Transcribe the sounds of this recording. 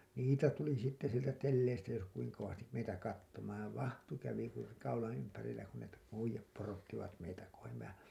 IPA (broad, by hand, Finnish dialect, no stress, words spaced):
niːtæ tuli sitːe sieltæ telːeistæ jos kuiŋ koʋɑstim meitæ kɑtːomɑːn̞ ʋɑhtu kæʋi kur kɑulɑ̃ː ympærilːæ kun ne po uijˑɑp porotːiʋɑt meitæ kohem mehæ̃ː